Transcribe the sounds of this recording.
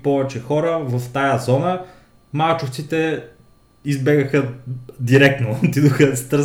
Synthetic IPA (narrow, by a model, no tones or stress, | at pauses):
pɔvɛt͡ʃɛxɔɾəvɐft̪ajəzɔnə | malt͡ʃʊft̪sit̪ɛ | izbɛɡəxəd̪iɾɛk̚t̪not̪id̪oxəst̪ə